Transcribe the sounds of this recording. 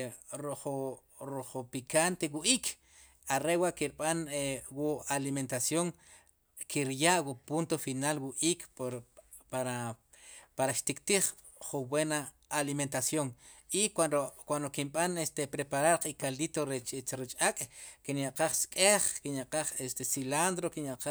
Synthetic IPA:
ɾuχu | ɾuχupikant̪ewuʔiːkʰ | aɾewaʔkiɾɓanwualiment̪asjoŋ | kʰiɾjaʔwupunt̪ofinalwuʔiːkʰpɾ | paɾa | paɾaʃt̪ikt̪iχ | χumbwenaː | liment̪asjoŋ | ikaokwand̪okimɓanest̪epɾepaɾaɾqikalit̪oɾet͡ʃt͡ʃɾit͡ʃʼakʼkinjaʔqaχskʼeχkinjaʔqaχest̪esiland̪ɾokinjaʔqa

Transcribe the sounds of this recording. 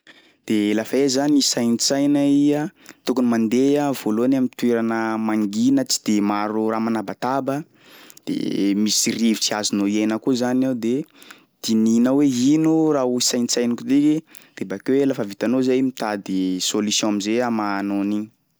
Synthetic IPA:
d̪̥elafaezanisajnit͡sajnəiət̪ukunimand̪eavoloanamint̪weɾanəmaŋɡinət͡si̥d̪̥emaɾuramanabat̪abə | d̪̥ḛmisirivit͡siazinoiejnəkuzanaud̪e | d̪̥ininəweɦinurauisajnit͡sajnikud̪ikid̪̥ebaakewelafəvit̪anozajmit̪ad̪isolisjɔ̃amizeamanoni

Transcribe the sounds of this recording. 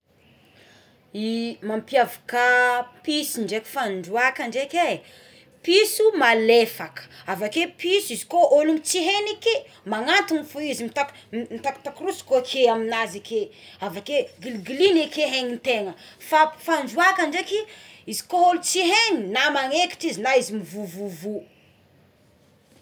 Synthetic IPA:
imampjavukapisiɳɖ͡ʐekʲi̥faɳɖ͡ʐuakaɳɖ͡ʐeke | pisumalefakə̥avakepisizi̥koʔoluŋt͡siɦenike | maŋant̪unifuizimit̪ak | mit̪akt̪akrusi̥kokʰeaminazekʰeavakeɡilɡilinekeɦeŋint̪eŋə | fafaɳɖ͡ʐuakəɳɖ͡ʐekiizi̥koolut͡siɦeninamaŋeki̥ʈ͡ʂizinaizimivuvuvu

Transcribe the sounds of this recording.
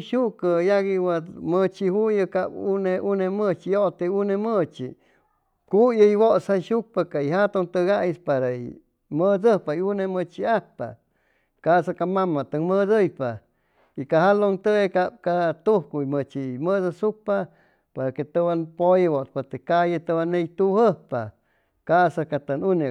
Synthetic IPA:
ʃuʔkəjaɣiwamət͡ʃihujəkabuneʔunemət͡ʃijoʔt̪eunemət͡ʃḭ | kujəiwoʔsaʃuk̚pakaiɦat̪oŋt̪əɡaʔispaɾaḭ | məd͡zəhpaiunemət͡ʃiahpa̰ | kasakamamat̪əŋmədəjpa | ikaɦaloŋt̪əekap̚kat̪uhkuimət͡ʃiməðəsuk̚pa | paɾaket̪əβanpojewoʔspot̪ekajət̪əwanejt̪uhəhpa | kasakat̪ənune

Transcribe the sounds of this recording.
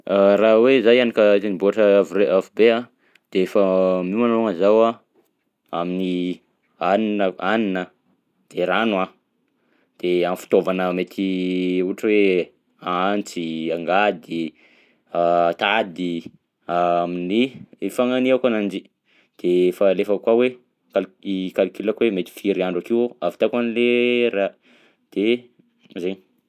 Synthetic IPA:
raɦwezajanikəet̪iniboaʈ͡ʂəavureʔavubea | d̪̥eefəmimanoŋəzawa | amini | aninəaninə | d̪̥eɾanwa | d̪̥eanfi̥t̪ovanəmet̪ʰiuʈ͡ʂəwe | aant͡siaŋɡad̪i | at̪ad̪i | aminiefaŋaniakanand͡ʒi | d̪̥eefəlefəkwawe | kalikalkilakwemet̪i̥fiɾiaɳɖ͡ʐakiwoavit̪akanileɾa | d̪̥e | zeɲi

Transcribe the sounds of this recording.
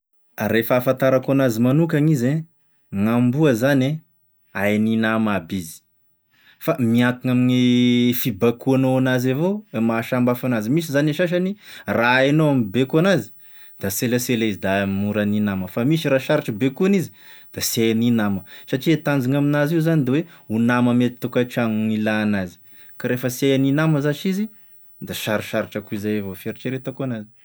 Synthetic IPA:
ɾefaːfãnt̪aɾakuanazimanukaŋize | ŋambuəzane | ajninamabizi̥ | famiakiŋaminifibakuanoanazavomaʃambafanazimis̬izaneʃaʃ̬aniraenoamibekuanazi̥ | d̪̥aseləselaizid̪amimuɾaninaməfamiʃiɾaʃaɾiʈ͡ʂəbekuanizid̪̥asiajaninaməsaʈ͡ʂiet̪and͡ziŋaminaziuzanid̪ewe | unaməmet̪i̥t̪ukaʈ͡ʂaŋilaːnazi̥ | kaɾefəsiajaninaməzaʃizi | d̪aʃaɾiʃaɾiʈ͡ʂakuizajavofeɾiʈ͡ʂeɾet̪akuanazi̥

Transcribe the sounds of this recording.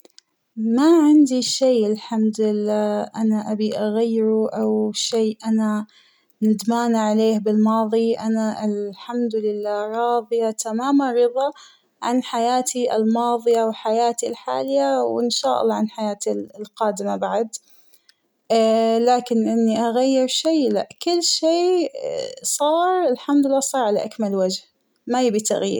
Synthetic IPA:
maʕɪnd̪iʃeːʔɪlħamd̪ɪlːaːʔanaʔabiʔaɣajːɪɾuʔawʃeːʔana | nɪd̪maːnʕaleːhbɪlmɑːðˤiʔa̰naʔɪlħamd̪ʊlɪlːaːɾˤɑːðˤɨjat̪amaːmanˤːɨðˤɑ | ʕa̰nħajaːt̪ʰiʔɪ̰lmɑːðˤɨjawɪlħajaːt̪ilħa̰ːlɪjawɪnʃaːʔɑ̰lˤːɑːʕanħajaːt̪ilqɑːd̪ɪmabaʕad̪ | laːkɪnʔɪnːiʔaɣajːɪɾʃeːla̰ʔkʊlːʃeː | sˤɑːɾˤɪlħamd̪lːaːsˤɑːɾˤʕalaʔakmalwad͡ʒh | majɪbit̪a̰ɣḭːɾ

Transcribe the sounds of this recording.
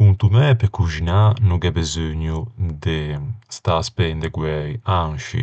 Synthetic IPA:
unt̪umɛpekuʒinanuɡɛbezøɲud̪ɛst̪aspɛnd̪ɛɡwɛjaŋʃḭ

